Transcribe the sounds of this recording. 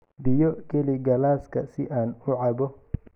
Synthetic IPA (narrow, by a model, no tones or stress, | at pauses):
bɪjɔkʰɛliɡɐlaːskʰɐsɪʔaːnʊʕɑbɔ